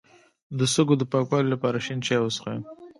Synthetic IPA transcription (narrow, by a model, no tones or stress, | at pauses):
d̪əsəɡod̪əpɑkwɑlolapɑɾaʃint͡ʃɑjosxa